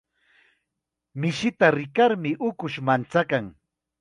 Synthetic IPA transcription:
mɪʃɪt̪aɾɪkaɾmɪʔʊkʊʃmant͡sakaŋ

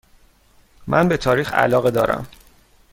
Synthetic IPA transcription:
mʔænbe̞t̪ʰɒːɾiːxæ̰lɒːɣed̪ɒːɾæ̰m

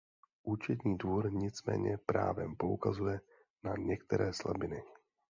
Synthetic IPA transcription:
ʔuːt͡ʃɛt̪ɲiːdvuɾɲɪt͡smɛ̰ːɲɛpɾaːvɛ̰mpo̞ukazujɛ | naɲɛkt̪ɛɾɛːslabɪnɪ

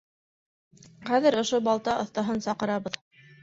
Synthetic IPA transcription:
χæðɘɾŏʃobɑlˠt̪ɑʔɤ̆θt̪ɑɦɤnsɑqɤ̆ɾɑβɤð

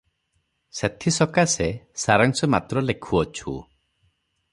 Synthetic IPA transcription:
set̪ʰisɔkasesaɾaŋsɔmat̪ɾɔlekʰuɔt͡ʃʰṵ

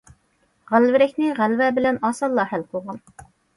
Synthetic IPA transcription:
ʁælvɪɾɛkʲnɪʁælvɛbɪlɛnɑːsɑlˠːɑhælqʰolˠʁɑn

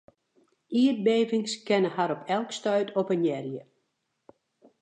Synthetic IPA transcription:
iət̚beːvɪŋskɛnəhaɾɔpʰɛlˠkstœɥtʰɔpənjɛrjə

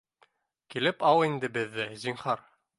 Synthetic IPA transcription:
kilɘpɑwind̪ɘbɘ̆ðːɘzʲiɴhɑɾ

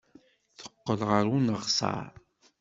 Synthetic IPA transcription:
θə̥qːəlʁəɾunəʁsɑ̰ɾ

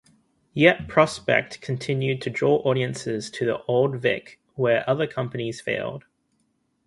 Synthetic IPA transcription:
jɛʔ̚pʰɹ̥ɒspɛ̰k̚tkʰə̃ntʰɪ̃njʉd̚tʰədɹɔːʔɔːɾiə̃nsɪz̥tʰəðḭʔɒʊlˠdvɪ̰k | wə˞ʔʌðəkʰʌ̃mpəniz̥fḛɪlˠd̥

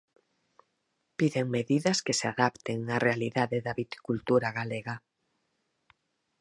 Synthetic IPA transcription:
piðeŋmeðiðɐskeseaðapt̪eŋarʔealiðaðeðaβit̪i̥kult̪uɾaɣaleɣa

